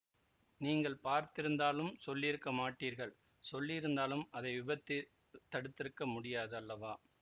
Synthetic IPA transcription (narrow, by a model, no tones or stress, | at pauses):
niːŋɡɐɭpaːɾt̪ɪɾɯnd̪aːlɯmsɔlːɪɪɾɯkːɐmaːʈːiːɾɣɐɭ | sɔlːɪɪɾɯnd̪aːlɯmɐðɐɪʋɪbɐt̪ːɪ | t̪ːɐɽɯt̪ːɪɾɯkːɐmʊɽɪjaːðɯɐlːɐʋaː